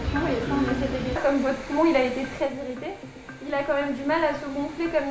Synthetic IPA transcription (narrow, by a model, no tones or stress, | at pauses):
weɛ̃nasɛt̪ed̪ekɔmvɔt̪χmɔ̃ilaet̪et̪χɛziʁit̪e | ilakɑ̃mɛmd̪ymalasəɡɔ̃flekɔm